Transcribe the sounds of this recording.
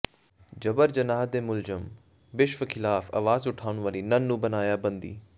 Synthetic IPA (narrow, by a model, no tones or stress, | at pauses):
d͡ʒɐbəɾd͡ʒənaːd̪eːmʊlzəm | ʋɪʃʋkʰɪlaːfɐ̰ʋaːzʊʈʰaːʊɳ̃ʋaːliːnənːũːbənaːjaːbə̃nd̪ḭː